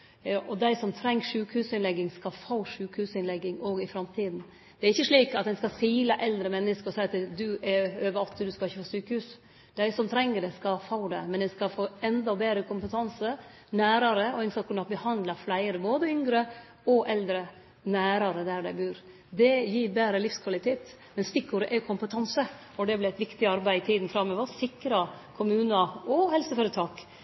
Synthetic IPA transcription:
ʔɔd̪æɪsɔmt̪ʰɾɛŋːʂʉːkhʉːsɪnlɛɡːɪŋskɑfɑʊʂʉːkhʉːsɪnlɛɡːɪŋoːɡɪfɾɑmt̪ʰiːd̪n | d̪̥ɛæɾɪçːəʂɭiːkɑt̪ɛɪnskɑsiːlɑʔɛld̪ɾəmɛnːəskəɾɔsæɪɑt̪d̪ʉʔɛøːʋəɾɔt̪ʰːɪd̪ʉskɑlɪçːəfoːsyːkəhʉːs | d̪̥æɪsɔmt̪ʰɾɛŋːəɖɛskɑfɑʊd̪ɛ̰mɛnɛnskɑfoːɛnd̪ɑbeːɾəkʊmpət̪ʰɑnsə | næːɾɑɾəɔɛɪnsɑkːʊnɑt̪̚bəhɑnd̪lɑflæɪəɾəboːd̪əʏŋɡɾə | ɔʔɛld̪ɾə | næːɾɑɾəd̪æɾɖæɪbʉːɾ | d̪ɛjiːɾbeːɾəlɪfskʰʋɑlɪt̪ʰeːt̪ | mɛnst̪ɪkːuːɾəʔɛkʰʊmpət̪ʰɑnsə | ɔd̪ɛblɛæɪt̪ʋɪkt̪ɪɑɾbæɪɪt̪ʰiːd̪nfɾɑmːøːʋəsɪkɾɑkʰʊmʉːnɑɔhɛlsəføːɾət̪ʰɑːk

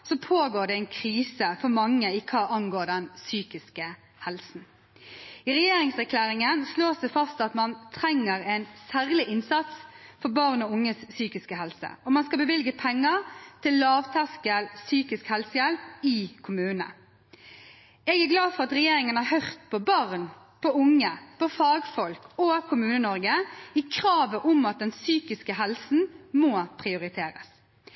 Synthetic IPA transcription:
sɔpʰoːɡoːɖɛɛɪnkʰɾiːsəfɔɾmɑŋːəɪkʰɑːʔɑŋɡoːɖɛnsyːkɪskə | hɛlsn̩ | iɾɛjeːɾɪŋsæɾkʰlæːɾɪŋənsloːsd̪ɛfɑst̪ɑt̪mɑnt̪ʰɾɛŋːəɾɛnsæːʁlɪʔɪnsɑt̪sfɔɾbɑʁnɔʊŋːəsːyːkɪskəɦɛlsə̰ɔmɑnskɑlbəʋɪlɡəpʰɛŋːəɾt̪ʰɪlːɑːʋt̪ʰɑskəlsyːkɪskhɛlsəjɛlp̚ɪkʰʊmʉːnə̰ | ɛɡæɾɡlɑːfɔʁɑt̪ɾɛjeːɾɪŋənhɑhœʁt̪pʰɔbɑʁn | pʰɔʊŋːəpʰɔfɑɡfɔlkɔkʰʊmʉːnənɔɾɡəɪkʰɾɑːʋəʔʊmɑt̪̚d̪ɛnsyːkɪskəɦɛlsn̩moːpʰʁɪʊɾɪt̪ʰeːɾə̰s

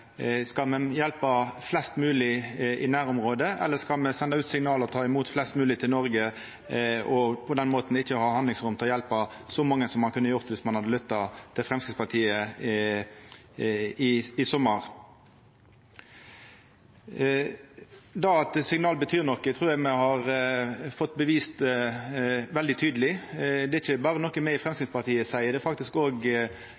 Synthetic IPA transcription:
skɑmɛjɛlpɑflɛst̪mʉːlɪɪnæːɾʊmʁoːd̪əʔɛ̰lːəskɑlmɛsɛnd̪ɑʉːt̪sɪŋnɑːləɔt̪ʰɑːɪmuːt̪flɛst̪mʉːlɪt̪ʰɪlnɔʁɡə | ɔpʰɔd̪ɛnmoːt̪n̩ɪçːəhɑːhɑnd̪lɪŋsʁʊmt̪ʰɪlɔjɛlpɑsɔmɑŋːəsɔmɑnkʉnːəjʊʁt̪ʋɪsmɑnhɑd̪əlʏt̪ːɑt̪ʰɪlfʁɛmskɪspɑt̪ʰiːə | ɪɪsɔmːəʁ | d̪ɑɑt̪sɪŋnɑːlbət̪ʰyːʁnɔkːət̪ʰʁuːʁjæɡmɛhɑʁfɔt̪ːbəʋiːst̪ | ʋɛld̪ɪt̪ʰyːd̪əlɪd̪ɛɪçəbɑːʁənɔkːəmɛɪfʁɛmskɪt̪spɑʁt̪ʰiːəsæɪəd̪ɛfɑk̚t̪ɪskoːɡ

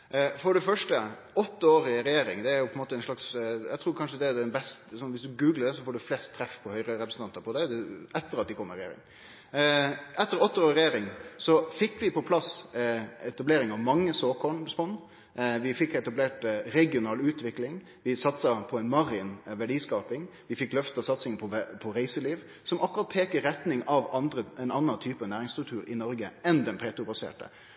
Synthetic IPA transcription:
fɔɖɛfœʂʈə | ɔt̪ːəoːɾɪɾɛjeːɾɪ̰ŋd̪ɛæɾjʊpʰɔɛnmoːt̪əɛnʂlɑksjæ̰t̪ʰɾuːɾkʰɑnʂəd̪ɛæɖ̪ɛnbɛst̪sɔnʋɪsd̪ʉɡʉːɡləɖ̪ɛsɔfoːɖɛflɛst̪ʰːɾɛfpʰɔhœʏɾəɾɛpɾəsn̩t̪ɑnt̪əɾpʰɔd̪ɛd̪ɛɛt̪ːəɾɑt̪̚d̪ɪkʰɔmːəɾɛjḛːɾɪ̰ŋ | ɛt̪ːəɾɔt̪ːəoːɾɪɾɛjeːɾɪŋsɔfɪkːʋɪpʰɔpʰlɑs | ɛt̪ɑbleːɾɪŋɑʋmɑŋːəsoːkʰɔɳspɔn | ʋɪfɪkːɛt̪ɑbleːʈɾɛɡɪʊnɑːlʉːt̪ʋɪklɪŋ | ʋɪsɑt̪sɑpʰɔɛɪnmɑɾɪnʋæɖiːskɑːpɪŋ | ʋɪfɪkːlœft̪ɑsɑt̪sɪŋpʰɔpʰɔɾæɪsəliːʋ | sɔmʔɑkːʉɾɑt̪̚pʰeːkəɾɛt̪nɪŋɑʋɑnd̪ɾəɛnɑnːɑnt̪ʰyːpɑnæːɾɪŋst̪ɾʉk̚t̪ʰʉːɾɪnɔɾɡəɛnd̪ɛnpʰeːt̪ɾʊbɑsḛːʈə̰

